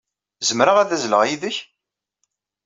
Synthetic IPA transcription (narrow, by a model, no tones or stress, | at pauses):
zəmɾəʁæðæzləʁiðəç